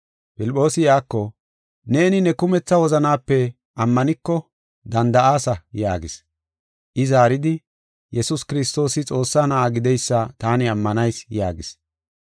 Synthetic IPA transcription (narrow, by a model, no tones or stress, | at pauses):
pɪlpʼːo̞ːsɪjaːkːɔ | ne̞ːnɪnɛkʊmɛt͡sːɐwɔzɐnaːpːɛ | ɐmːɐnɪkːɔ | d̪ɐnd̪ɐʔaːsɐjaːɡɪs | ʔɪzaːɾɪd̪ɪ | jɛsʊskɪɾɪst̪o̞ːsɪt͡sʼo̞ːsːanɐʔaɡɪd̪ɛjsːɐt̪aːnɪɐmːɐnɐjsjaːɡɪs